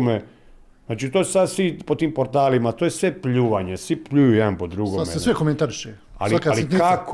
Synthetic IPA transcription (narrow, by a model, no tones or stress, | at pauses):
me | znaːt͡ʃit̪oːssad̪sʋipot̪iːmpoɾt̪aːlimat̪ojesʋe̞pʎuːʋaɲesʋipʎuːjujɛd̪anpod̪ɾuɡoamḛesʋekoment̪aɾiʃe | a̰liakaliako